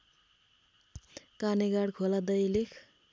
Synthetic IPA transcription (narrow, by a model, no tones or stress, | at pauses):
kaneɡaɽkʰolad̪ʌjlekʰ